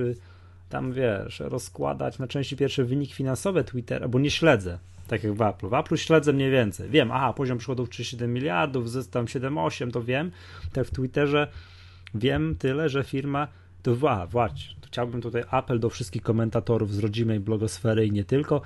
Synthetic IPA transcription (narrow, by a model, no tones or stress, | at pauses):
ɘ | t̪a̰mvʲjɛʐ̥̰ɾɔskwa̰d̪a̰t͡ɕnat͡ʂɛ̃w̃ɕt͡ɕipʲjɛɾfʂɛvɘɲikʲifʲinansɔvɛt̪wit̪ɛ̰ɾʔa̰bɔɲɛɕlɛd̪zɛ | t̪akʲjaɡvapluvapluɕlɛd̪zɛmɲejvʲjɛnt̪sɛ̰jvʲjɛmʔa̰xapɔʑɔmpʂɨ̥xɔd̪ufɘɕɛd̪ɛmːʲilʲjaɾd̪uvzɛst̪amɕɛd̪ɛmɔɕɛmt̪ɔvʲjɛm | t̪akft̪wit̪ɛʐɛ | vʲjɛmt̪ɘlɛʐɛfʲiɾma | t̪ɔvaa̰vwaɕt͡ɕɛ̥xt͡ɕawbɘmt̪ut̪ajʔapɛld̪ɔfʂɘst̪̚kʲixkɔmɛnt̪at̪ɔɾuvzɾɔd͡ʑimɛjblɔɡɔsfɛɾɘiɲɛt̪ɘlkɔ